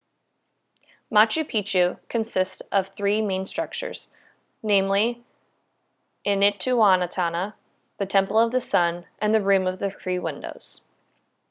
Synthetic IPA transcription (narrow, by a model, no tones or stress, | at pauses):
mɑt͡ʃʉpʰit͡ʃʉkʰɨ̃nsɪstʌv̥θɹimẽɪ̃nstɹ̥ʌk̚t͡ʃə̰˞z̥ | nẽɪ̃mli | ʔɪ̃nɪtʰʉɑnətʰɑnə | ðɨtʰɛ̃mpl̩ˠʌvðɨsʌ̃nʔɨ̃nðɨɹʉ̃mʌvðɨθɹiwɪ̃ndo̰ʊz̥